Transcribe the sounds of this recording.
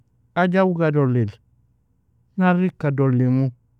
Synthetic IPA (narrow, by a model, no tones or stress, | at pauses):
aɟawɡadolːel | naɾikːadolːemu